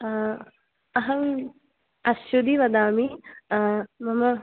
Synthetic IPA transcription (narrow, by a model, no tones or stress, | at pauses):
ɐɦɐm | ɐʃud̪iʋɐd̪aːmi | mɐmɐ